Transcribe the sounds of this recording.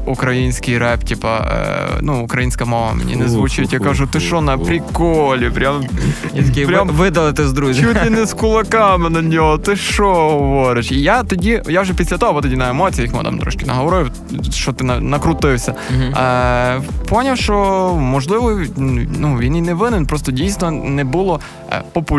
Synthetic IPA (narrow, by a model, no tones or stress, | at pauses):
ʊkɾɐinʲsʲkʲɪjɾɛptʲipɐ̰nuʊkɾɐjinʲsʲkɐmalˠɐ̰m̰ʲnʲɛ̰nɪzʋʊt͡ʃit̪ʲjakɐʒut̪ɨʂonɐpɾʲɪkolʲɪpɾʲamʲ | pɾʲamvɨd̪ɐlˠt̪ɨzd̪ɾut͡ʃulʲɪnʲɪskʊlˠɐkamɨnɐnʲiot̪ɨʂoʋoɾɪt͡ɕijat̪ɔdʲijawʒɛpʲisʲlʲɐt̪ɔɦɔɐbɔt̪ɔdʲinɐemɔt͡sʲijɐjixmɪ̰t̪a̰mt̪ɾɔ̰ʃkɪnɐ̰ɦɔʋɔɾɪ | ʃt͡ʃɔt̪ɪnɐnɐkɾʊt̪ɪwsʲɐ | pɔnʲɐfʃt͡ʃɔmɔʒlˠɪʋɔnuʋʲininɛʋɪnɪnpɾɔst̪ɔdʲijsnɔnɛbulˠɔ̰ | pɔpʊ